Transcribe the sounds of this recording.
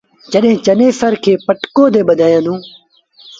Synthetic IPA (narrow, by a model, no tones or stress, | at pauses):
d͡ʒəɗɦẽːt͡ʃəneːsəɾkʰeːpəʈkoːd̪eːɓəd̪ʱaːjãːnũː